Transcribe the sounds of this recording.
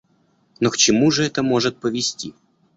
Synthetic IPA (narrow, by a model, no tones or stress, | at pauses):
nokt͡ɕɪmuʐɨɛt̪əmo̞ʐɨt̪̚pəvʲɪsʲtʲḭ